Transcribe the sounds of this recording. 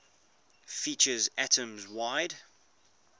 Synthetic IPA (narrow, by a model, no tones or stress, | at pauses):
fiˑt͡ʃəzɛtʰə̃mzwaɪd̥